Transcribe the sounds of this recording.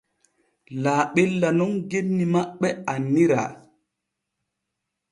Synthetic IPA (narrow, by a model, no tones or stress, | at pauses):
laːɓelːanɔŋɡenːimaɓːɛanːiɾa̰